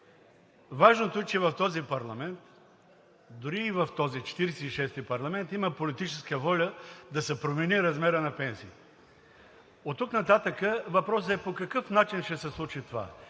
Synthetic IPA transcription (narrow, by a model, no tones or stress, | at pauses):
vaʒnot̪oɛt͡ʃɛvɐft̪ɔzipɐɾlˠɐmɛnt̪ | d̪ʊɾiːvɐft̪ɔzit͡ʃɛ̥t̪iɾɛsɛiʃɛst̪ipɐɾlˠɐmɛnt̪iməpolit̪it͡ʃɛskəvɔlʲəd̪ɐsɛpɾomɛniɾɐzmɛɾənɐpɛnsiː | ot̪ːuknɐt̪at̪əkəvɐpɾɔs̬əɛpokɐkɤfnat͡ʃinʃɛsɛslˠut͡ʃit̪ova̰